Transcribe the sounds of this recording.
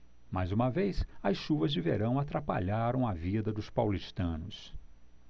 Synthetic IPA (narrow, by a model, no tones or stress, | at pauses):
majzũmɐvejsɐsʃuvɐzd͡ʒɪvḛɾɐ̃w̃at̪ɾapa̰ʎaɾɐ̃w̃ɐvid̪ɐd̪ʊspawliʃt̪ɐ̃nʊs